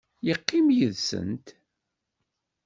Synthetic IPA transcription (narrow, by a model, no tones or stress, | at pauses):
jəqːimjəðsə̰nt̪